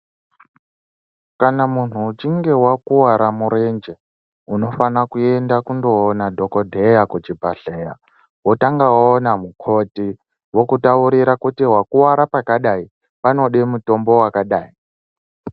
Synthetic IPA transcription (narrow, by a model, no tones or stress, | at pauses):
kanamun̤uːt͡ʃiŋɡe̞wakuwaɾamuɾend͡ʒe | uno̞fanakue̞ndakundo̞ːnadʱo̞kodʱejakut͡ʃibʱaɬeja | wo̞taŋɡawaonamukʰo̞ti | wo̞kutauɾiɾakutiɦwakuwaɾapakaɗai | pano̞ɗemuto̞mbo̞wakaɗaːi